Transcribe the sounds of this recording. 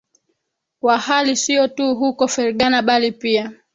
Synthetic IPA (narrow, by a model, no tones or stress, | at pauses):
wahalisiɔtuɦukɔfɛɾɠanaɓalipia